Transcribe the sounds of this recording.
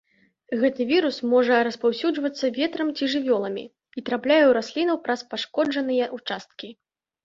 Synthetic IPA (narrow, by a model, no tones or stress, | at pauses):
ɣɛt̪ɨvʲiɾusmɔʐɐɾɐspawsʲud͡ʐvɐt̪sːɐvʲɛt̪ɾɐmt͡sʲiʐɨvʲɔlˠɐmʲḭ | it̪ɾaplʲajɛwɾasʲlʲinɐwpɾɐspaʂkɔd͡ʐɐnɨjɐʔut͡ʂast̪̚kʲi